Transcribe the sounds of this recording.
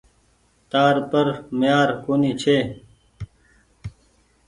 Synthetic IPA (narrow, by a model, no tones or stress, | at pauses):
t̪aːɾpɐɾmjaːɾkoːnit͡ɕʰeː